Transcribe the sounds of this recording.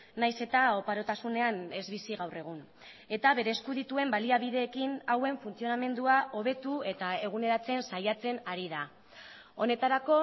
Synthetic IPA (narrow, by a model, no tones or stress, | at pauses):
najse̞t̪ao̞paɾo̞t̪asune̞ane̞zβisiɣawre̞ɣ̞un | e̞t̪aβe̞ɾe̞ːskuðit̪ue̞mbaliaβ̞iðe̞ːkinawe̞ɱfunt͡sio̞name̞nd̪uaʔo̞β̞e̞t̪ue̞t̪ae̞ɣune̞ɾat͡se̞nsajat͡se̞naɾið̞a | o̞ne̞t̪aɾako̞